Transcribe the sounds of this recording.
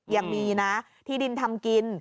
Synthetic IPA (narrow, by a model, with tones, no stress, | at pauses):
jaː˨˩ŋmiː˧na˦˥ | t̪ʰiː˥˩di˧nt̪ʰa˧mki˧n